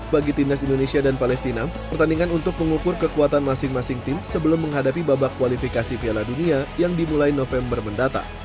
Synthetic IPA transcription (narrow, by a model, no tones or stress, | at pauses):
baɡit̪indasindonesiadanpalɛst̪ina | pərt̪andiŋanunt̪ʊk̚məŋukʊrkəkuat̪anmasɪŋmasɪŋt̪ɪmsəbəlʊmːəŋɦadap̬ibabakːuwalifikasifialaduniajaŋdimulajnofɛmbərməndat̪a̰